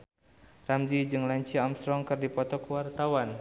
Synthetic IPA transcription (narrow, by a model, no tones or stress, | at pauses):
ramzid͡ʒɨŋlaɲt͡ʃiamst̪ɾɔŋkɨrdipɔt̪ɔkuwart̪awan